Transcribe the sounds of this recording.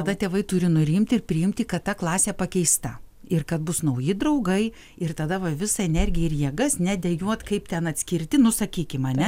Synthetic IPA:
t̪ɐd̪ɐt̪ʲeːʋɐɪt̪ʊɾʲɪnʊɾʲɪmʲt̪ʲɪrpʲɾʲɪjɪmʲt̪ʲikɐt̪t̪ɐklˠɑːsʲeːpɐkʲɛɪst̪ɐ | ɪrkɐt̪bʊsnɐʊjɪd̪ɾɐʊɡɐɪ | ɪrt̪ɐd̪ɐʋɐʋʲɪsɐɛnʲɛrʲɡʲɪjɛɪɾjiɛɡɐsnʲɛd̪ʲɛjuɔt̪kɐɪpt̪ʲɛnɐt̪ʲsʲkʲɪɾʲt̪ʲɪnʊsɐkʲiːkʲɪmɐnʲɛ

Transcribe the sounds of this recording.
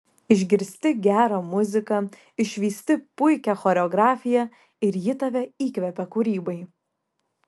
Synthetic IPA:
ɪʒʲɡʲɪɾʲsʲt̪ʲɪɡʲæːɾɐmʊzʲɪkɐ | ɪʃʲʋʲiːsʲt̪ʲɪpʊɪkʲɛxɔːɾʲɛɔɡɾɑːfʲɪjɛ | ɪɾjɪt̪ɐʋʲɛiːkʋʲɛpʲɛkuːɾʲiːbɐɪ

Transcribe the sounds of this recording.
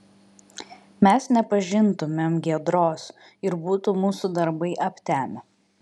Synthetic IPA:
mʲɛsnʲɛpɐʒʲɪnt̪ʊmʲemɡʲiɛd̪ɾoːs | ɪɾbuːt̪umuːsud̪ɐɾbɐɪʔɐpʲt̪ʲæːmʲɪ

